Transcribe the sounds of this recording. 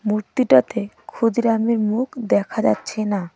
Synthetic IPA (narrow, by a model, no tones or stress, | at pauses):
muɾt̪iʈat̪e | kʰud̪iɾamiɾmukd̪ɛkʰad͡ʑa̰tːɕʰena